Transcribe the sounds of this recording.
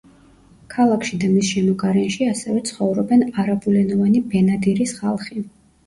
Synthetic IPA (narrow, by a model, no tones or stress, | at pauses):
kʰalˠakʰʃid̪amisʃɛmɔkʼaɾɛnʃiasɛvɛt̪sʰχɔvɾɔbɛnaɾabulɛnɔvanibɛnad̪iɾisχalˠχi